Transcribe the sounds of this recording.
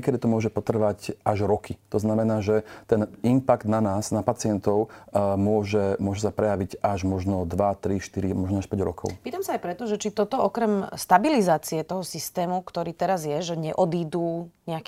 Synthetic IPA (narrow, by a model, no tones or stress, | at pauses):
kɛd̪it̪ɔmʊɔʒɛpɔt̪r̩ʋacaʒɾɔkʰit̪ɔznamɛnaːʒɛt̪ɛnimpaɡd̪nanaːsnapat͡sɪɛnt̪ɔʊmʊɔʒɛmʊɔʒɛsapɾɛjaʋiɟaʒmɔʒnɔd̪ʋat̪ɾiʃt̪iɾimɔʒnɔaʃpɛɟɾɔ̰kʰɔ̰ʊpiːt̪amsaːajpɾɛt̪ɔʒɛt͡ʃit̪ɔt̪ɔɔkɾɛmst̪abilizaːt͡siɛt̪ɔɦɔsist̪ɛːmukt̪ɔɾiːt̪ɛɾazjɛʒɛɲɛʔɔd̪iːd̪uːɲɛak